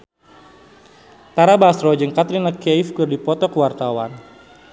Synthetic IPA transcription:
t̪aɾabasɾɔd͡ʒəŋkat̪ɾinakejfkərdipɔt̪ɔkəwart̪awan

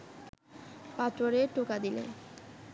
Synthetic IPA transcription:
pat̪ɾoɾeʈokad̪ilḛ

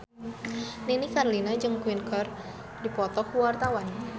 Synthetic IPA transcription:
ninikarlinad͡ʒɨŋkwinkʰɔr | dipɔt̪ɔhwart̪awan

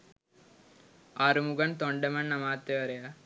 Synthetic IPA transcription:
ɐɾumuɡɐnt̪oɳɖɐmɐnːɐmaːt̪ːeʋɐɾɐja

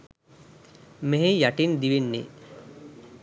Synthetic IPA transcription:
meɦejaʈind̪iʋinːḛ

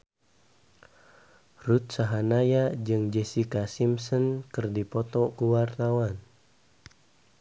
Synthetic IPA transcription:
rut̪̚saɦanajad͡ʒɨŋd͡ʒɛsikasimsɔnkɨrdipɔt̪ɔkuwart̪awan

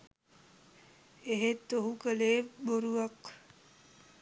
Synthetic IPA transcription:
eɦet̪ːoɦukəleːboɾuʋaq

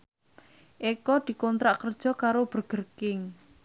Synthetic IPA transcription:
ʔekɔd̪̥i̤kɔnt̪ɾaʔkərd̥ʒ̥ɔ̤kaɾob̥ərɡ̥ərkɪŋ

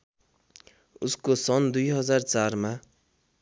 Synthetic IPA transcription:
uskosʌnd̪ujɦʌd͡zart͡sarma

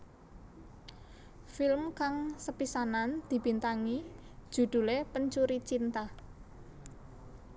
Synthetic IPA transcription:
filmkaŋsəpisanand̪̥i̤b̥i̤nt̪aŋid̥ʒ̥ṳd̪̥ṳlepəɲt͡ʃuɾit͡ʃint̪ah

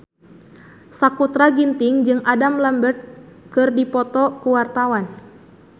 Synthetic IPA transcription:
sakut̪ɾaɡint̪ɪŋd͡ʒɨŋadamləmbərt̪̚kɨrdipɔt̪ɔkuwart̪awan

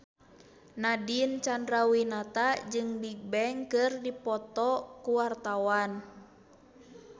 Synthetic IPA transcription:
nadint͡ʃandɾawinat̪ad͡ʒɨŋbik̚bɛŋkɨrdipɔt̪ɔkuwart̪awan

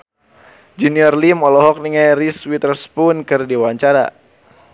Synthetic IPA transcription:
d͡ʒuniɔrlimɔlɔɦɔk̚niŋajriswit̪ərspunkɨrdiwaɲt͡ʃaɾa̰

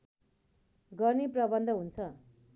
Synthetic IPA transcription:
ɡʌrneprʌbʌnd̪ʱʌɦunt͡sʰʌ

